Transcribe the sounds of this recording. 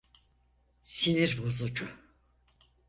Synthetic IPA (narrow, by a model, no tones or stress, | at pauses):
siniɾbozud͡ʒu